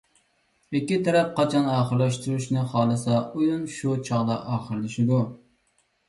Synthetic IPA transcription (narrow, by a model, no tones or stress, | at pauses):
ɪkʲːit̪ʰɛɾɛp̚qʰɑt͡ʃʰɑnɑːχəɾlɑʃt̪uɾuʃnɪχɑːlˠɨsɑujunʃut͡ʃʰɑʁd̪ɑʔɑːχəɾlɪʃɪd̪u